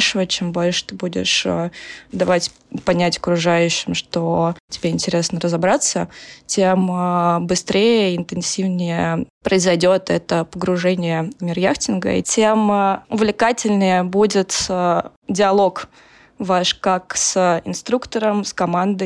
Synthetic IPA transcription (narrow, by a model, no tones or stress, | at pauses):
ʂəvət͡ɕembo̞lʲʂɨ̥t̪ɨbudʲɪ̰ʂəd̪ɐvatʲ | pɐnʲætʲəkɾʊʐajʉɕːɪmʂt̪otʲɪbʲeɪnʲtʲɪɾʲe̞snəɾəzɐbɾat̪sːətʲeməbɨst̪ɾʲejəɪnt̪ɨnsʲivnʲɪjəpɾəɪzɐjdʲo̞t̪ɛt̪əpəɡɾʊʐɛnʲɪjəmʲɪrjaxtʲɪnɡə̰ḭtʲemʊvlʲɪkatʲɪlʲnɨjəbudʲɪt̪ː | dʲɪɐlˠo̞k | vaʂkaksəɪnst̪ɾukt̪əɾəmskɐmand̪ə